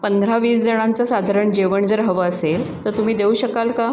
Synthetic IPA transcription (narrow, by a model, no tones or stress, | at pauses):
pənd̪ʱɾaʋiːsd͡zəɽ̃ãnt͡sasad̪ʱaɾəɳd͡ʑeʋəɳd͡zəɾɦəʋəəsel | t̪əɾt̪um̤iːd̪euːɕəkalka